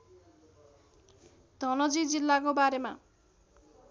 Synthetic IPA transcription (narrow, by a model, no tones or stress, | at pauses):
d̪̥ʱʌnʌd͡zid͡zilːakobaɾema̰